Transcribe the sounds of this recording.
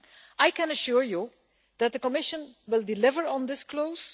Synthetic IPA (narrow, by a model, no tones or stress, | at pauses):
ʔajkɛ̃nəʃuɹju | ð̥æt̚d̪əkɔmɪʃə̃nwɪlˠdɪlɪvəɹɔ̃ndɪskloʊz̥